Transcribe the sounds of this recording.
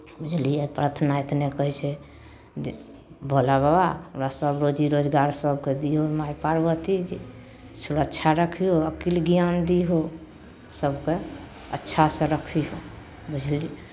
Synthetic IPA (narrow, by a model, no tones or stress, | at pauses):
bud͡ʒʱliepɾat̪ʰnaet̪nekəɦit͡ʃʰɛ | bʱolaβabaɾasəbɾod͡ʒiɾod͡ʒɡaɾsəb̚ked̪iɦomajpaɾbət̪id͡ʒe | suɾəkːt͡ʃʰaɾəkʰioəkilɡjand̪iɦo | səbke | ətːʃʰasẽɾəkʰiɦo | bud͡ʒʱli